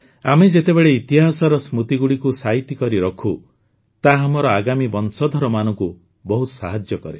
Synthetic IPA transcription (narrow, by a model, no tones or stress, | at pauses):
amed͡ʒet̪ebeɭeit̪iɦasɔɾɔsmut̪iɡuɽikusaɦit̪ikɔɾiɾɔkʰu | t̪aɦamɔɾɔaɡamibɔnsɔd̪ʱɔɾɔmanɔŋku | bɔɦut̪saɦad͡ʒjɔkɔɾe